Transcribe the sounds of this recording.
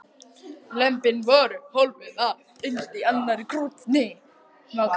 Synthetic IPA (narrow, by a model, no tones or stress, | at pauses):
lɛmpɪnvɔːɾʏholvɪða | ʏnst̪ianːaɾkʰɾut̪nɪ | na